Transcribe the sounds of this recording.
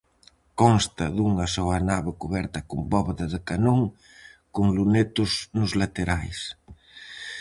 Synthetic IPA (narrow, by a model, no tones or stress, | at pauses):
kɔnst̪ɐðuŋɐsɔanaβɪkuβɛɾt̪ɐkʊmbɔβeðɐðɪkanoŋ | kʊŋlunet̪ʊsnʊzlat̪eɾajs